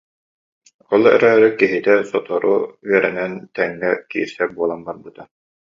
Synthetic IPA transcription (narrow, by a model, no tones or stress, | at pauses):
ɔlˠɛ̰ɾɛːɾikiɦit̪ɛsɔt̪ɔɾuyɛɾɛnɛnt̪ɛŋːɛkiːɾsɛbuɔlˠambaɾbɯt̪a